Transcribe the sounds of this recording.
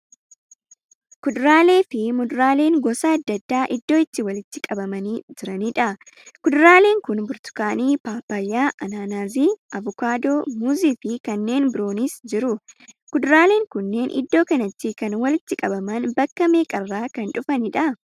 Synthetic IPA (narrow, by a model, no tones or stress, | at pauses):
kʊd̪ɾaːle̞ːfɪmʊd̪ʊɾaːle̞ːŋɡɔsɐɐd̪ːɐd̪ːaːʔɪd̪ːo̞ːɪt̪ːɪwɐlɪt̪ːɪkʼɐbɐmɐniːd͡ʒɪɾɐniᶑɐ | kʊd̪ʊɾaːle̞ːŋkʊnbʊɾt̪ʊ̥kaːniːpaːpːajːaːʔɐnaːnaːziːʔɐvʊkaːd̪oːmuziːfɪkɐnːe̞ːnbɪɾo̞ːnisd͡ʒɪɾʊkʊd̪ʊɾaːle̞ːŋkʊnːe̞ːnʔɪ̰d̪ːo̞ːkɐnɐt̪ːɪkɐnwɐlɪt̪ːɪkʼɐbɐmɐnbɐkːɐme̞ːkʼɐrːaːkɐnᶑʊfɐnɪᶑɐ